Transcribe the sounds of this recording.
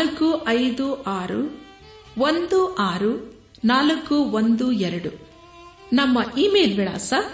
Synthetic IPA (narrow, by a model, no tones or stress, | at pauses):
lɐkːuʔɐjd̪uʔaːɾṵ | ʋond̪uʔaːɾu | naːlɐkːuʋond̪uɛɾɐɽu | nɐmːɐʔiːmeːlʋiɭa̰ːsɐ